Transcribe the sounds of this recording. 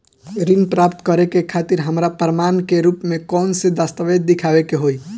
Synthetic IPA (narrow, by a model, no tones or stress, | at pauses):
ɾimpɾapt̪kəɾekekʰaːt̪iɾɦəmɾapɾəmankeɾupmẽkɔːnsed̪ast̪əʋed̪̚ːɪkʰaʋekeɦoi